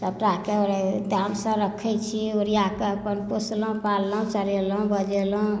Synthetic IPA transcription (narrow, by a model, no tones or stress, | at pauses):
t̪əbʈakeoɾet̪aəmsə̃ɾəkʰɛt͡ʃʰioɾijakeəpənposlũpalːũt͡ʃəɾelũbəd͡ʒelũ